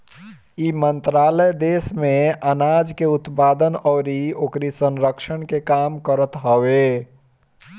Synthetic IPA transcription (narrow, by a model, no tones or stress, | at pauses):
imənt̪ɾaləjd̪esmeənad͡ʒkeut̪pad̪ənɔːɾiokɾisənɾəkʃəɳkekamkəɾət̪ɦəwe